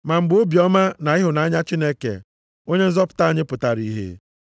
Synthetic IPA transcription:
ma˨m̩˨ɡ͡bo˦bi˨ɔ˦ma˦na˨ɪ˦ɦʊ˨na˨a˦ɲa˦t͡ʃi˦ne˦kḛ˨ | o˦ɲe˦n̩˦zɔ˦pʊ̥˨ta˦a˦˨ɲɪ˦pʊ˨ta˨ɾḭ˦ɦḛ˦

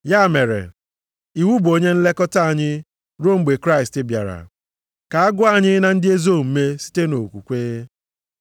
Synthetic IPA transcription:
ja˦˨me˨ɾḛ˨ | i˨wu˦bo˦ɲe˦n̩˦le˦kɔ˦ta˦a˨ɲɪ˦ | ɾo˦ŋ͡m̩˦ɡ͡be˨kɾa˦ɪ˨stɪ˦bja̰˨ɾa̰˨ | ka˨a˦ɡʊ˦a˨ɲɪ˦na˨n̩˦dɪ˦e˦zo˦˨m̩˨me˦si̥˦te˦no˨kʷu˨kʷeː˦

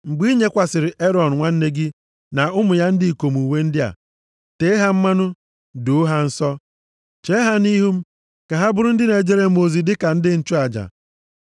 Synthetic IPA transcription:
ŋ͡m̩˨ɡ͡bi˦ɲe˦kʷa˨sɪ˨ɾɪ˨ʔe˦ɾɔ˨n̩˨ŋʷa˦n̩˦ne˦ɡɪ˦ | na˨ʊ˦mʊ˨ja˦n̩˦di˦i˨ko˨m˨u˨we˦n̩˦dɪ˦a̰˨ | te˨˦ɦa˦m̩˦ma˦nʊ˦ | dʊ˨˦ɦa˦n̩˦sɔ˦ | t͡ʃe˦ɦa˦ni˦ɦu˦m̩˦ | ka˨ɦa˦bʊ˦ɾʊ˦n̩˦dɪ˦ne˨d͡ʒe˦ɾe˦mo˨zi˨dɪ˦ka˨n̩˦dɪ˦n̩˦˨t͡ʃʊ˦a˨d͡ʒa̰˨

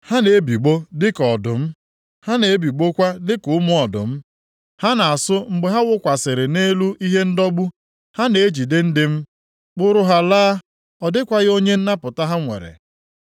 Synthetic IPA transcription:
ha˦ne˨e˦bi˨ɡ͡bo˦dɪ˦kɔ˨dʊ˨m̩˦ | ha˦ne˨e˦bi˨ɡ͡bo˦kʷa˦dɪ˦kʊ˨ʊ˦mʊ˦ɔ˨dʊ̰˨m̩˦ | ha˦na˨a˨sʊ˦ŋ͡m̩˨ɡ͡be˨ɦa˦wʊ˦kʷa˨sɪ˨ɾɪ˨ne˦lu˦ʔi˦ɦe˦n̩˦dɔ˦ɡ͡bu˦ | ha˦ne˨e˦d͡ʒi˨dɪ˦n̩˦dɪ˦m̩˦ | k͡pʊ˦ɾʊ˦ɦa˨laː˦ | ɔ˨dɪ˦kʷa˦ɣɪ˦o˦ɲe˦n̩˦na˦pʊ˨ta˦ɦa˦ŋʷḛ˨ɾḛ˨

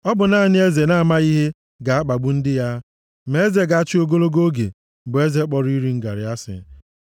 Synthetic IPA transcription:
ɔ˦bʊ˨na˦˨nɪ˦e˦ze˨na˦a˨ma˦i˦ɦe˦ | ɡa˨a˦k͡pa˨ɡ͡bʊ˦n̩˦dɪ˦ja˦ | me˨e˦ze˨ɡa˨a˦t͡ʃɪ˦o˦ɡo˦lo˦ɡo˦ɡḛ˨ | bʊ˨e˦ze˦k͡pɔ˨ɾi˦ɾi˦ŋ̩˦ɡa̰˨ɾɪ˨a˦sɪ̰˨

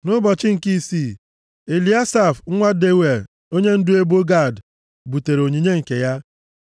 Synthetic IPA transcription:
nʊ˦bɔ˨t͡ʃɪ˦ŋ̩˨ki˦si˦˨ | e˨li˨˦a˦sa˨fŋ̩˦ŋʷa˦de˦we˨d | o˦ɲe˦n̩˦dʊ˦e˦bo˦ɡa˦˨d | bu˨te˨ɾo˨ɲi˨ɲe˦ŋ̩˨ke˨ja˦

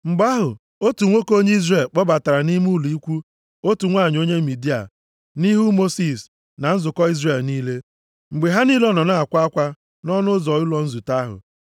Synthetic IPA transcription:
ŋ͡m̩˨ɡ͡ba˦ɦʊ˨ | o˦tu˨ŋʷo˦ko˦ɲe˦i˦zre˨lk͡pɔ˦ba˨ta˨ɾa˨ni˦m˦u˦˨lu˨i˦kʷu˦ | o˦tu˨ŋʷa˦˨ɲ˨o˦ɲe˦mi˨di˦a̰˨ | ni˦ɦu˦mo˦si˨s | na˨n̩˦zʊ˨kɔ˦i˦zre˨lni˦le˦ | ŋ͡m̩˨ɡ͡be˨ɦa˦ni˦lɔ˦nɔ˨na˦a˨kʷa˦a˦kʷa˦ | nɔ˦nʊ˦zɔ˨ʊ˦lɔ˨n̩˦zu˨ta˦ɦʊ̰˨

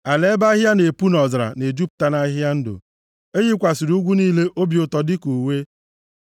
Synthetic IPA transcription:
a˨le˦ba˦ɦja˦ne˨pu˦nɔ˨zɾa̰˨ne˨d͡ʒu˦p̚ta˦na˦ɦja˦n̩˦dʊ̰˨ | e˦ɦi˦kʷa˨si˨ɾu˦ɡʷu˦niː˦le˦ʔo˦bjʊ˨tɔ˨dɪ˦ku˨we˦

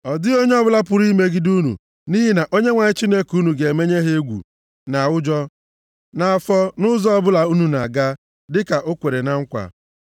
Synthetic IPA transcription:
ɔ˨dɪ˦o˦ɲe˦ɔ˦bʊ˦la˦pʊ˨ɾi˦me˦ɡi˦du˦nṵ˨ | ni˦ɦi˦na˨ʔo˦ɲe˦ŋʷa˨ɲɪ˦t͡ʃi˦ne˦ku˦nu˨ɡe˨me˦ɲe˦ɦe˦e˦ɡʷṵ˨ | na˨wʊ˦d͡ʒɔ˦ | na˨fɔ˦nʊ˦zɔ˦ɔ˦bʊ˦la˨u˦nu˨na̰˨ɡa˦ | dɪ˦ka˨ʔo˦kʷe˨ɾe˨na˦ŋ̩˦kʷa̰˨

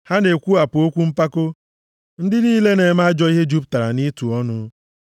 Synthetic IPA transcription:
ha˦ne˨kʷu˦a˨pʊ˨o˦kʷu˦m̩˦pa˦ko˦ | n̩˦dɪ˦niː˦le˦ne˨ma˦a˦d͡ʒɔ˦i˦ɦe˦d͡ʒu˦p̬̚ta˨ɾa˨ni˦tu˨ɔ˦nʊ˦

